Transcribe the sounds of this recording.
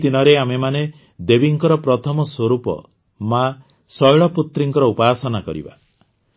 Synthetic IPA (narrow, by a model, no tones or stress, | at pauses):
d̪inɔɾeamemane | d̪ebiŋkɔɾɔpɾɔt̪ʰɔmɔswoɾupɔ̰ | ma | sɔjɭɔput̪ɾiŋkɔɾɔupaːsɔnakɔ̰ɾḭba